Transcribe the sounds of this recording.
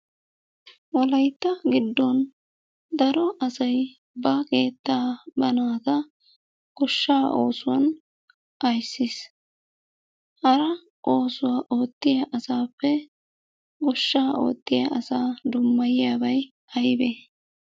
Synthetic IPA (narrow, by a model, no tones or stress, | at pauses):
wɔlɐjt̪ːɐɡɪd̪ːɔn | d̪ɐɾɔʔɐsɐj | bɐkeːt̪ːaːbɐnaːt̪ɐ | ɡ̥ɔʃːaːʔo̞̰ːsʊwɐ̰n | ʔɐjsːɪs | hɐɾɐ | ʔo̞ːsʊwaːʔo̞ːt̪ːɪjɐʔɐsaːpːɛ | ɡɔʃːaːʔo̰ːt̪ːɪjɐ̰ʔɐsaːd̪ʊmːɐjɪjaːbɐj | ɐjbe